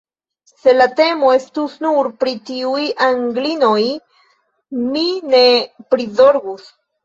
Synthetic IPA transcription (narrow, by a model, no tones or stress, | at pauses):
se̞late̞moe̞stusnuɾpɾitiujaŋɡlino̞j | mine̞pɾizo̞ɾɡus